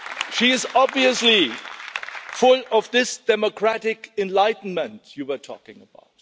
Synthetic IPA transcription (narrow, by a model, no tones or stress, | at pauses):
ʃiɪzɑbviəsli | fʊlɔvðɪsd̥ɛməkʰɹæɾɪkɛ̃nlaɪtn̩mə̃ntʰjɨwətʰɔ̰kɪ̃ŋəba̰ʊt̚